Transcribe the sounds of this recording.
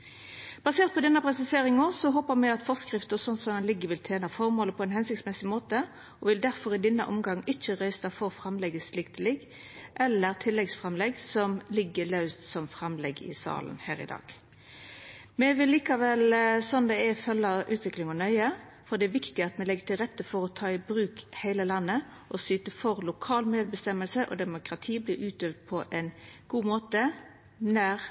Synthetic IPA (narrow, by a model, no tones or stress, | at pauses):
b̥ɑseːʁt̪̚pʰɔd̪ɛnːəpʁɛsɪseːɾɪŋəsɔɦoːpəʁmɛɡɑt̪fɔskʁɪft̪əʁsɔnsɔmɛnlɪɡːəʋɪlt̪ʰeːnɑfɔʁmoːləpʰɔɛnhɛnsɪkt̪smɛsɪmoːt̪ə | ʔɔʋɪld̪æɾfɔɾɪd̪ɛnːəʔɔmɡɑŋːɪt͡ʃːəʁæɪsɑfɔʁfɾɑmlɛɡəslɪk̚t̪ʰɪlɪɡ | ʔɛlːəʁt̪ʰɪlːɛɡsfʁɛmlɛɡsɔmlɪɡːəlɑʉst̪sɔmfɾɑmlɛɡɪ̰sɑ̰ːlə̰nhæ̰ːɾɪ̰d̪ɑ̰ːɡ̥ | mɛʋɪlːiːkɑʋɛlsɔnd̪ɛɛfœlːɑʔʉːt̪ʋɪklɪŋɔnœʏə | fɔd̪ɛæʋɪkt̪ɪɑt̪mɛlɛɡːəʈʰɪlʁɛt̪ːəfɔɾɔt̪ʰɑːɪbɾʉːkhæɪləlɑnːə | ʔɔsyːt̪əfɔʁlʊkʰɑːlmeːd̪̚bəst̪ɛmːəlsəʔɔ̰d̪ɛmʊkʁɑt̪ʰiːblɪːʉːt̪øʋd̪̚pʰɔʔɛnɡ̥uːmoːt̪ə | næʁ